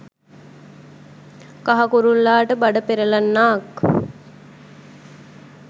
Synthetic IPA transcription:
kaɦakuɾunlaːʈəbaɖəpeɾəlanːaːk

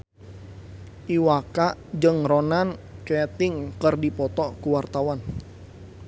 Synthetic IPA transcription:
ʔiwakaʔd͡ʒɨŋɾɔnankɛt̪ɪŋkərdipɔt̪ɔkuwart̪awan

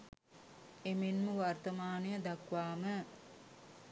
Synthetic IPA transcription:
emenmuʋart̪ɐmaːnujəd̪ɐkʋaːmə

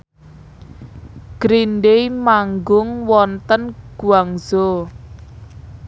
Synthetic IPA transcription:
ɡ̥ɾinɖejmaŋɡʊŋwɔnt̪ənɡ̥uaŋz̥o

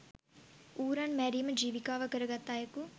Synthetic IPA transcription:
uːɾaɳmɛːɾijmɐd͡ʒiːʋikaːʋɐkɐɾɐɡɐt̪ːaːjɐku

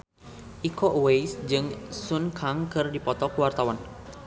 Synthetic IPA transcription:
ʔikɔʔwejsd͡ʒɨŋsʊnkʰaŋkɨrdipɔt̪ɔkuwart̪awan

